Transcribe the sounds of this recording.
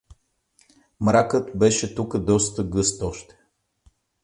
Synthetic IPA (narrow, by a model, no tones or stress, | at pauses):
mɾakət̪bɛʃɛt̪ukəd̪ɔst̪əɡɤst̪ɔʃt̪ɛ̥